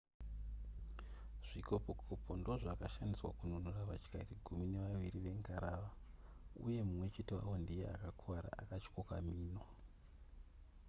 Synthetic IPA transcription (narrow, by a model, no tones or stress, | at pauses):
ʐ̥ikopokʰopo̞ndo̞ʐakaʃandiswa̰kununuraʋat͡ʃkariɡʱumine̞ʋaʋiriʋe̞ŋkaɾaːʋaṵje̞mumwe̞t͡ʃe̞tewa̰wo̞ndije̞a̰kakʰwaɾa̰ʔa̰kat͡ʃkoka̰miːno